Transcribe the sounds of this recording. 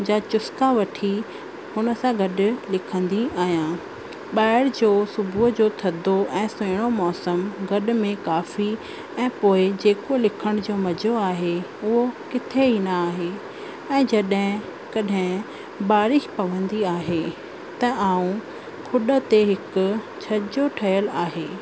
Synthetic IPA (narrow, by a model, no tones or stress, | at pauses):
d͡ʑaːt͡ɕʊskaʋɐʈʰi | hʊnə̆sãɡɐɗʊ̆lɪkʰə̃nd̪iaːɦijãː | ɓaːɪɽd͡ʑoːsʊbʱʊɦd͡ʑoːt̪ʰɐd̪ʱoʔɛ̃ːsʊɽ̃omɔːsəmɡɐɗʊ̆mẽkaːfi | ɛ̃ːpoːɪd͡ʑeːkolɪkʰəɽ̃d͡ʑoːmɐd͡ʑʱoaːɦeʊɦokɪt̪ʰeɦinɐaːɦe | ɛ̃ːd͡ʑɐɗɦɪ̃ | kɐɗɦɪ̃ | baːɾɪʃpɐʋə̃nd̪iaːɦe | t̪ɐʔaːũ | kʰʊɗət̪eɦɪkʊ̆ | t͡ɕʰɐd͡ʑoʈʰɐjəlaːɦeː